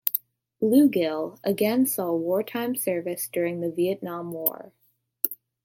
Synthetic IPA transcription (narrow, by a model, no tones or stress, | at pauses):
lʉɡɪlˠəɡɛ̃nsɔwɔɹtʰãɪ̃msɜ˞vɨsd̥ʊɹɪ̃ŋðɨviɨtⁿnɑ̃mwɔ̰ɹ